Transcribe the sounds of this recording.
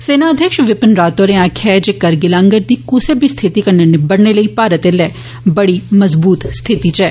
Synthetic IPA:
seːnaəd̪ʱjəkʃʋɪpənɾaːt̪oːɾẽãːkʰɛːd͡ʒekɐɾɡɪlãːŋɡəɾd̪iːkusebʱist̪ʰɪt̪ikɐɾnənebɐɽneləipaːɾət̪elɛː | bɐɽimɐzbuːt̪st̪ʰɪt̪it͡ʃɛː

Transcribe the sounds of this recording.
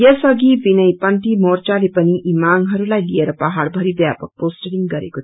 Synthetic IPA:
jʌsʌɡibinʌjpʌnt̪imort͡ʃalepʌniʔimaŋɡɦʌɾulajlijeɾɐpɐɦaɽbʱʌɾibjapək̚posʈeɽiŋɡʌɾḛkot̪ʰ

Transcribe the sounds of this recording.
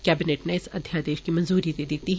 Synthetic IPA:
kɛːbɪneːʈneɪsɐ̰d̪ʱjad̪eːʃkimɐ̃nzuːɾid̪eːd̪iːt̪iɦ

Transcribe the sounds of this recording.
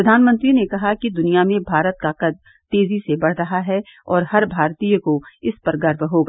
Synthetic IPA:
ɾɐd̪ʱaːnmə̃nt̪ɾinekɐɦakid̪ʊnijamẽbʱaːɾət̪̚kaqɐd̪̚ | t̪eːzisebɐɽ̤ɾɐɦaɦɛɔːɾhɐɾbʱaːɾt̪ijkoɪspɐɾɡɐɾbɦoːɡaː

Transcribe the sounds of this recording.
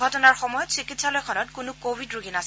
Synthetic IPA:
ɡʱɔtɔnaɹxɔmɔjɔtsikitsalɔjkʰɔnɔtkʊnʊkobʱidɹuɡʱinas

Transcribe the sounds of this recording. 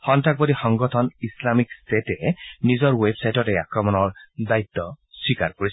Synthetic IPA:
hɔntʰak̚bɔdixɔŋɡɔtʰɔnislamikstetɛnizɔɹwebsajtɔtɛakɹɔmɔnɔɹdait̪ːɔ | swikaɹkoɹis

